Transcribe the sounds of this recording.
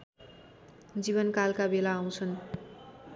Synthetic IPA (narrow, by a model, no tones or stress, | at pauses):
d͡ziβʌnkalkabelaːw̃t͡sʰʌn